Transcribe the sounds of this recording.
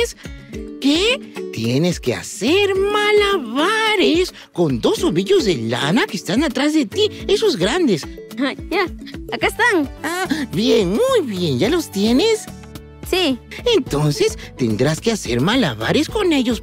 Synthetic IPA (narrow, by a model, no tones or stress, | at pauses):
sket̪je̞ne̞skea̰seɾmalaβaɾes | ko̞nd̪o̞so̞βiʝo̞zðela̰nakest̪anat̪ɾazðe̞t̪ie̞so̞zɡɾand̪esajaakaest̪aŋabjeŋmujβje̞nʝalo̞st̪je̞nes | sient̪o̞nse̞st̪ḛnd̪ɾaskease̞ɾmalaβa̰ɾesko̞ne̞ʝos